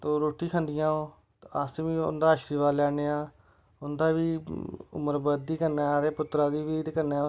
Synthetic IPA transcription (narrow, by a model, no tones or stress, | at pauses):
t̪oːɾoːʈiːkʰə̃nd̪ɪjãːoː | aːsʋiːʊ̰nd̪aːəʃɾiːʋaːlɛːɽ̃eːaː | ʊnd̪aːʋiːʊ̰məɾbəd̪iːkənɛ̃ːɾeːpʊt̪ːɾãːd̪iːʋiːkənɛː